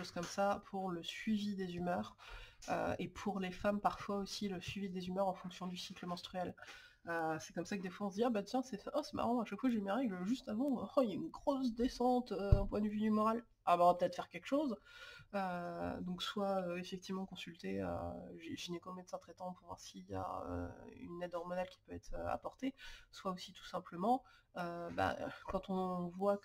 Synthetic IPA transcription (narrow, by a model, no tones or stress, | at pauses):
oz̥kɔmsapʰuʁləsɥivid̪ezymœːʁø̰epʰuʁlefampaʁfwaosiləsɥivid̪ezymœʁɑ̃fɔ̃ksjɔ̃d̪ysikləmɔ̃st̪χyɛl | øsɛ̥kɔmsakəd̪efwaɔ̃s̬d̪iabat̪jɛ̃sɛɔsɛma̰ʁɑ̃aʃakfwaʒemeʁɛɡləʒyst̪avɑ̃ɔjaynɡʁosd̪esɑ̃t̪øɛ̃pwɛ̃d̪əvyd̪ymɔʁal | abaɔ̃vapət̪ɛt̪χfɛʁkʲɛlkʃozød̪ɔ̃kswaøefɛk̚t̪ivmɑ̃kɔ̃sylt̪eø̰ʒeʒinekɔ̃mɛt̪sɛ̃t̪χɛt̪ɑ̃puʁvwa̰ʁsija̰ø̰y̰nɛd̪ɔʁmɔnalkʲi̥pøɛ̰t̪χø̰a̰pɔʁt̪eswaosit̪u̥sɛ̃pləmɑ̃øba̰kɑ̃t̪ɔ̃vwa